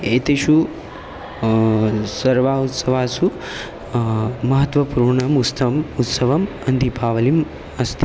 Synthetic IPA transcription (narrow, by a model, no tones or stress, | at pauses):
et̪iʃu | sɐɾʋaːut̪sɐʋaːsu | mɐɦɐt̪ʋɐpuːɾɳɐmust̪ɐmut̪sɐʋɐm | ɐnd̪ʱipaːʋɐlim | ɐst̪ʰi